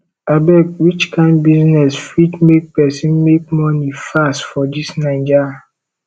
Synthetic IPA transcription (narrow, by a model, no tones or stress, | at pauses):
abɛkwit͡ʃkʰãɪ̃ndbiznɛsfit͡ʃmek̚pɛsĩnmek̚mɔnifastfɔd͡ʒisnãɪ̃nd͡ʒa